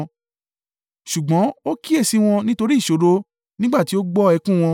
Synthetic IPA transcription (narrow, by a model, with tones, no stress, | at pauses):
ʃu˨ɡ͡bɔ̃˨˦o˦ki˦e˦˨si˧w̃ɔ̃˧nĩ˦to˧ɾi˦˨ʃo˨˦ɾo˦ | nĩ˦ɡ͡ba˦˨ti˨˦o˦ɡ͡bɔ˦ɛ˧kũ˦˨w̃ɔ̃˧